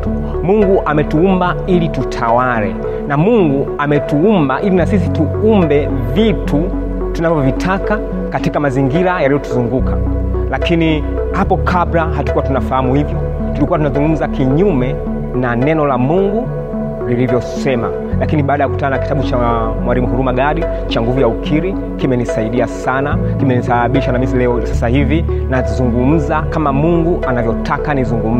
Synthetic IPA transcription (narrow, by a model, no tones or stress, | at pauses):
muŋɡuʔamɛtuumbailitutʰawalɛ̰ | namuŋɡuamɛtuumbaʔilinasisi̥tuumbɛ | vitʰu | tunavɔvitʰaka | katikamaziŋɡiɾajaɾijɔtuzuŋɡuka | lakini | hapɔkʰabɾaɦatukuwatunafahamuhivjɔ | tulikuwatunazuŋɡum̩zakiɲumɛ | nanɛnɔlamuŋɡu | lilivjɔsɛma | lakiniɓaːɗajaku̥tananaki̥taɓut͡ʃa | mwalimuhuɾumaɠaɾi | t͡ʃaŋɡuvujaukʰiɾi | kimɛnisaiɗiasanakimɛnisaɓaɓiʃanamisilɛɔsasahivinazuŋɡum̩zakamamuŋɡuʔanavjɔtʰakanizuŋɡum̩